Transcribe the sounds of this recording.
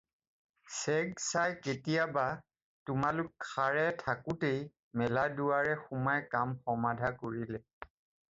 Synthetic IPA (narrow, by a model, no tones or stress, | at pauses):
sɛɡsajketijaba | tʊmalʊkːʰaɹɛtʰakʊtej | mɛladuwaɹɛxumajkamxɔmadʱakoɹilɛ